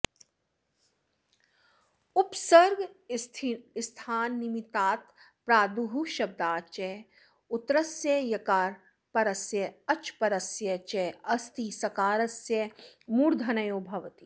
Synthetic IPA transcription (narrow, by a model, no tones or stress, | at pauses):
upsɐɾɡ | st̪ʰaːnːimit̪aːt̪ | pɾaːd̪uɦuʃɐb̚d̪aːt͡ʃɛ | ut̪ɾɐsjejɐkaːɾ | pɐɾɐsjɐɐt͡ʃpɐɾɐsjɐt͡ʃɛɐst̪isɐkaːɾɐsjemuːɾd̪ʱɐnɐjoːbʱɐʋt̪i